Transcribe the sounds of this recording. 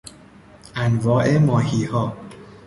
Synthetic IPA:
ʔænvɒːʔe̞mɒːhiːhɒː

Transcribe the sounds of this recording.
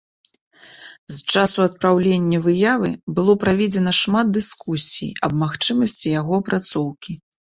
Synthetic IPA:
st͡ʂasuɐt̪̚pɾawlʲenʲːɐvɨjavɨ̰bɨlˠɔpɾavʲed͡zʲɛn̪ɐʂmad̪̚d̪ɨskusʲḭjɐb̚maxt͡ʂɨmɐsʲt͡sʲijaɣɔpɾat̪sɔwkʲi

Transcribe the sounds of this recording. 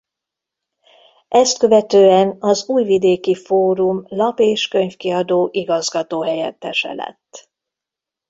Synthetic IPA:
ʔɛst̪̚kø̞vɛt̪øːɛnɒzuːjvid̪eːkifoːɾumlɒpeːʃkø̞ɲfkiɒd̪oːʔiɡɒzɡɒt̪oːɦɛjɛ̰t̪ːɛʃɛ̰lɛ̰t̪ː

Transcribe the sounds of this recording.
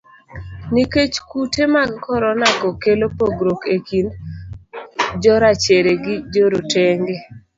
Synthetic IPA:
niket͡ʃkutʰemaɡkɔɾɔnakɔkelopoɡɾokekin | d͡ʒɔɾat͡ʃeɾeɡɪd͡ʒoɾoteŋɡe

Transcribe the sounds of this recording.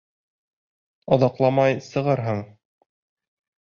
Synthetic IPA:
ɑðɑqlˠɑmɑjsɤ̆ʁɤɾɦɤɴ

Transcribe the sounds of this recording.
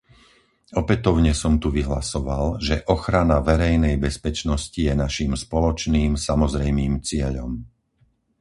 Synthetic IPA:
ɔpɛt̪ɔʊɲɛsɔmt̪uʋiɦlasɔʋalʒɛʔɔxɾanaʋɛɾɛjnɛjbɛspɛt͡ʃnɔscijɛnaʃimspɔlɔt͡ʃniːmsamɔzɾɛjmiːmt͡sɪɛʎɔ̰m

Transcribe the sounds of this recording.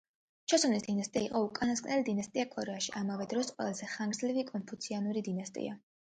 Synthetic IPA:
t͡ʃʰɔsɔvnisd̪inast̪ʼiaiqʼɔukʼanaskʼnɛlid̪inast̪ʼiakʼɔɾɛaʃiamavɛd̪ɾɔsqʼwɛ̰lˠazɛχaŋɡɾd̪zlivikʼɔnpʰut̪sʰianuɾid̪inast̪ʼḭa

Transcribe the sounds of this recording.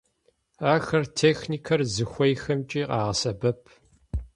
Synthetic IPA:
aːxɐrtʰeːxniːkʰɐrzɨxʷɔjxɐmt͡ʃʼiːqɑːʁɐsɐbɐpʰ

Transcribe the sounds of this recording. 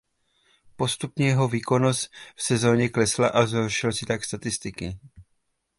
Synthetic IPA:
po̞st̪upɲɛjɛɦo̞viːko̞no̞st̪fsɛzo̞ːɲɛklɛslaʔazɦorʃɪlsɪt̪akst̪at̪ɪst̪ɪkɪ

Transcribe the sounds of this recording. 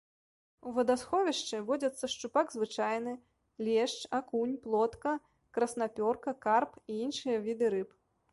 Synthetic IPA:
uvɐd̪asxɔvʲiʂt͡ʂɨvɔd͡zʲɐt̪sːɐʂt͡ʂupaɡzvɨt͡ʂajnɨ | lʲɛʂt͡ʂakunʲplˠɔt̪kɐ | kɾɐsn̪apʲɔrkɐkarpiinʂɨjɐvʲid̪ɨɾɨp

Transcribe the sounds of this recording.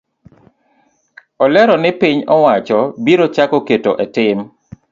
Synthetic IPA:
ɔlɛɾɔnɪpiɲɔwat͡ʃɔbiɾot͡ʃakɔketoʔɛtɪm

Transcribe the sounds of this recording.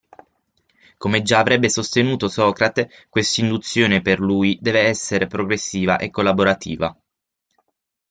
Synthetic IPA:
komed͡ʒaːvɾɛbːesost̪enuːt̪osɔːkɾat̪e | kwest̪ind̪ut̪sːjoːneperluːjd̪ɛːveɛsːeɾepɾoɡɾesːiːva̰ʔekːolːaboɾat̪ʰḭːva̰

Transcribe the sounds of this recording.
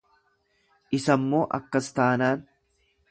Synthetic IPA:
ʔɪsɐmːo̞ːʔɐ̰kːɐst̪aːnaːn

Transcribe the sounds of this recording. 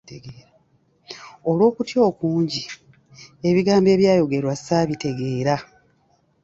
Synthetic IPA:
ɡeːɾa | o̞lwo̞ːkutjo̞ːkuːɲɟi | e̞βiɡaːmbe̞ːβjaːjo̞ɡe̞ɾwasaβite̞ɡe̞ːɾa

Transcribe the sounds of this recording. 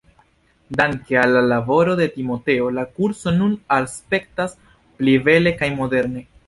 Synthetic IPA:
daŋke̞alːalabo̞ɾo̞de̞timo̞te̞o̞lakuɾso̞nunalspe̞k̚tas | plive̞le̞kajmo̞de̞ɾne̞

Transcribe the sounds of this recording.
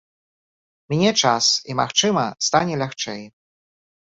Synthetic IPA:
mʲnʲɛt͡ʂasimaxt͡ʂɨmɐst̪anʲɛlʲaxt͡ʂɛj

